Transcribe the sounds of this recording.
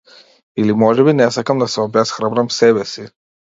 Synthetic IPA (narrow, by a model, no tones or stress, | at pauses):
ilimɔʒɛbinɛsakʰamd̪asɔbɛasχɾabɾamsɛbɛsi